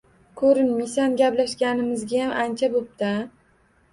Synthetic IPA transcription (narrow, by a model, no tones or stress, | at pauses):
kʰɵɾɪnmijsanɡʲaplaʃɡʲanɪmɪzɡʲajamʔant͡ʃʰabop̚t̪a